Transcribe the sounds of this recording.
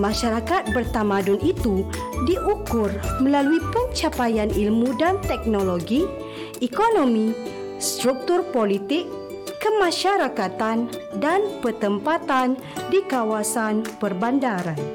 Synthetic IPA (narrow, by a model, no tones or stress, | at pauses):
mãʃaɾakat̪̚bərt̪amãdunit̪u | diʔukʊrmə̃laluipəɲt͡ʃapajanilmudant̪ɛk̚noloɡi | ɛkonomi | st̪ɾuk̚t̪urpolit̪ɪkː | əmãʃaɾakat̪andanpərt̪əmpat̪an | dikawasanpərbandaɾan